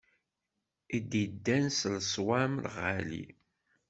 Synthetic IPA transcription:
id̪id̪ːænslsˤwamlʁalḭ

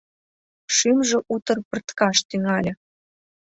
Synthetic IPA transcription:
ʃymʒĕʔut̪ɤ̆rpə̆rt̪kɑʃt̪yŋɑlʲɤ̆

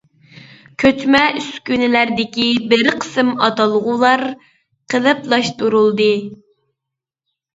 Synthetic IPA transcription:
kʲʰøt̪mɛyskʲynɪlæɾd̪ɪkʲibɪɾqʰə̥sɨmɑt̪ɑlˠʁulˠɑɾ | qʰəlˠɨplˠɑʃt̪uɾulˠd̪ɨ

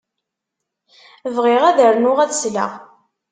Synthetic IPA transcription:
vʁeʁæðəɾnʊʁæðsla̰ʁ

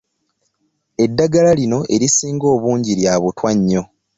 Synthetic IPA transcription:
e̞dːaɡalalino̞ʔe̞ɾisiːŋɡo̞ːβuːɲɟiɾjaβutwaɲːo̞

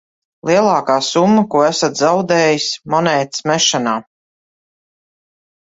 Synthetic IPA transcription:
lˠiɛlˠɑːkaːsumːɐkuɔæsat̪zawd̪ɛːjismɔnɛːt̪smɛʃanaː

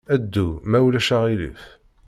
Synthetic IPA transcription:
æd̪ːumæwlæʃaʁilḭf

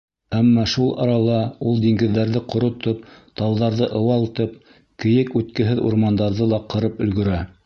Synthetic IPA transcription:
æmːɑʃulˠɑ̰ɾɑlˠɑulˠd̪iŋɡɘ̆ðːæɾðɘqŏɾŏt̪op̚t̪ɑlˠðɑɾðɤʔɤ̆wɑlˠt̪ɤp̚ | kɘ̆jɘkʉt̪kɘ̆ɦɘðṵɾmɑnd̪ɑɾðɤlˠɑqɤ̆ɾɤpɵ̆lɡɵ̆ɾæ

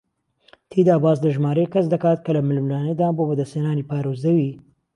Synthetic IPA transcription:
t̪ʰiːd̪aːbaːzd̪ɐʒmaːɾeːkɐsd̪ɐkaːt̪̚kɐlɐmɪlmlaːned̪aːnboːbɐd̪ɐsenaːniːpaːɾoːzd̪ɐwiː

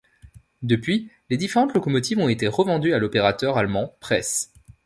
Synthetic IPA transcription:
d̪əpɥi | led̪ifeʁɑ̃t̪lɔkɔmɔt̪ivɔ̃et̪eʁəvɑ̃d̪yalɔpeʁat̪œʁalmɑ̃pχɛs

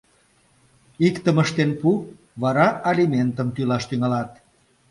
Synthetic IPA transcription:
ikt̪əməʃt̪enpu | βɑɾɑʔalʲimʲent̪əmt̪ylɑʃt̪yŋɑlɑt̪

